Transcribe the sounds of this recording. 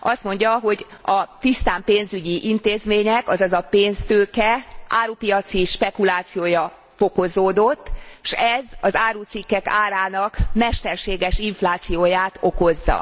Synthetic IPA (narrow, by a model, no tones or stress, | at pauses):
ɒst̪mo̞ɲɟɒɦo̞ɟɒt̪ist̪aːmpeːnzyɟiʔint̪eːzmeːɲɛkɒzɒzɒpeːnst̪øːkɛʔaːɾuːpijɒt̪siʃpɛkulaːt̪sijoːjɒ | fo̞ko̞zoːd̪o̞t̪ːʃɛzɒzaːɾuːt̪sikːɛkaːɾaːnɒkmɛʃt̪ɛrʃeːɡɛʃiɱflaːt̪sijoːjaːt̪o̞ko̞zːɒ̰